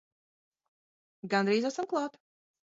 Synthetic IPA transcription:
ɡand̪ɾiːzasamklˠaːt̪

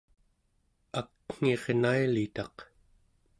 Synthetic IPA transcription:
akŋ̥e̞ʁnailit̪ɑq

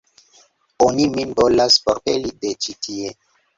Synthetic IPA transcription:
oniminvolaspoɾpelidet͡ʃitʰie

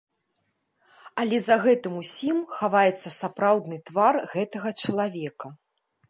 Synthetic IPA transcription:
ɐlʲɛzɐɣɛt̪ɨmusʲimxavajɛt̪sːɐsapɾawd̪nɨt̪varɣɛt̪ɐɣɐt͡ʂɐlˠavʲɛkɐ

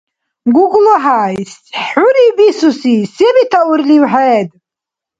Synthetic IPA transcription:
ɡʷʊɡʷloħaːjsħʊɾibisusisemitʰaʔʊrliwħaedʼ

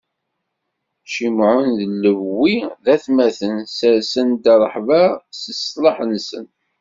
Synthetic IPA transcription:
ʃimʕʊnðəlːəvwiðæθmæθənsəɾsənd̪ɑɾˤəħvəsəsləħnsə̰n

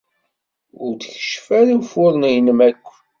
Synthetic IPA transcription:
ʊɾd̪çə̥ʃfæɾifʊɾˤnijnəmækʷː

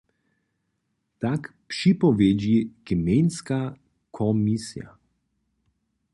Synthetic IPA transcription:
t̪ak | pʃipɔʋed͡ʒiɡimenska | kʰɔmisija̰

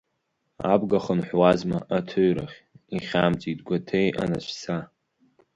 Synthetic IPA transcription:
a̰bɡaχənħʷwazmaʔatʰɨɥɾaχʲiχʲamt͡sʼitɡʷatʰejʔa̰naʃʷsa

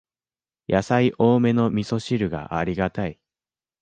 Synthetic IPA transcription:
jasaiʔo̞ːme̞no̞mʲiso̞ɕiɾɯ̟ɡa̰ʔa̰ɾʲiɡat̪ai

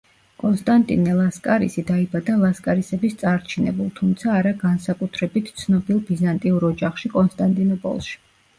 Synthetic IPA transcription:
kʼɔnst̪ʼant̪ʼḭnɛlˠaskʼaɾḭsid̪aibad̪alˠaskʼaɾisɛbist̪sʼaɾt͡ʃʰinɛ̰bulˠt̪ʰumt̪sʰaːɾaɡansakʼut̪ʰɾɛbit̪ʰt̪sʰnɔbilˠbizant̪ʼiuɾɔd͡ʒaχʃikʼɔnst̪ʼant̪ʼinɔpʼɔ̰lˠʃi̥

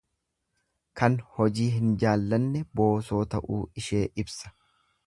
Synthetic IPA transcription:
kɐnhɔd͡ʒiːɦɪnd͡ʒaːlːɐnːɛbo̞ːso̞ːt̪ɐʔuːɪʃe̞ːʔɪbsɐ̥

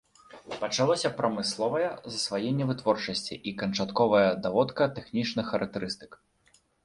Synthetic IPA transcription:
pɐt͡ʂalˠɔsʲɐpɾɐmɨslˠɔvɐjɐzɐsvajɛnʲːɛvɨt̪vɔrt͡ʂɐsʲt͡sʲḭʔikɐnt͡ʂat̪kɔvɐjɐd̪avɔt̪kɐt̪ɛxnʲit͡ʂnɨxːɐɾɐk̚t̪ɛɾɨst̪ɨ̥k

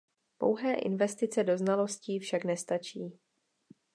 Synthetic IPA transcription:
po̞̰wɦɛːʔɪ̰nvɛst̪ɪt͡sɛdo̞znalo̞sciːfʃaknɛst̪at͡ʃiː

